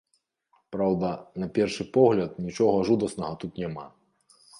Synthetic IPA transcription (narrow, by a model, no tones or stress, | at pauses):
pɾawd̪ɐnɐpʲɛrʂɨpɔɣlʲɐt̪nʲit͡ʂɔɣɐʐud̪ɐsnɐɣɐt̪ut̪nʲama̰